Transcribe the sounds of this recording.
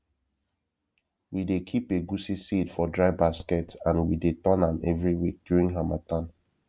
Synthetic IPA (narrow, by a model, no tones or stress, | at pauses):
widekʰipeɡusisidfɔdɹaɪbaskɛtãnwidetɔ̃namɛvɹiwik̚d̥juɹĩŋɡɦamatãn